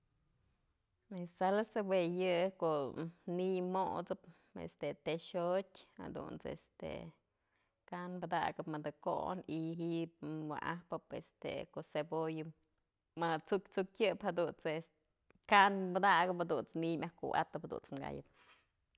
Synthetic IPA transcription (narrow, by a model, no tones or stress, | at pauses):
esalasebwejɨkoʔnimo̰ʔt͡sɨp | ḛst̪et̪eʃotʲha̰d̪ṵnt͡sḛst̪ḛ | kanbɨd̪a̰ɡɨpmɨd̪ɨko̰niɦiʔp̚wa̰ʔahpɨpest̪ḛkoʔsebojɨ | mɨt͡sukʲt͡sukʲjɨphad̪unt͡ses | kanbɨd̪aɡɨpd̪unt͡snimʲʔahkuʔa̰t̪ɨphd̪ṵnt͡smɡa̰jɨ̰p̚